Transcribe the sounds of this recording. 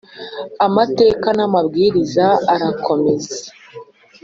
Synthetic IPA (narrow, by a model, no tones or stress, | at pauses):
amate̞ːkanamabɡiːɾizaːɾakʰo̞me̞ze̥